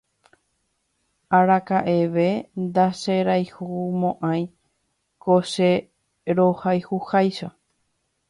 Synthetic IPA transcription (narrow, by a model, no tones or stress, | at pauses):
aɾakaʔeʋe̞nd̪aʃeɾajhumõʔãj̃ | koʃe | ɾohajhuhajʃo